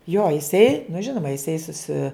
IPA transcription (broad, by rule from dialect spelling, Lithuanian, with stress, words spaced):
joː jɪˈsɐɪ nʊ ˈʒʲɪnoːmɐ jɪˈsɐɪ sʊˈsʲɪ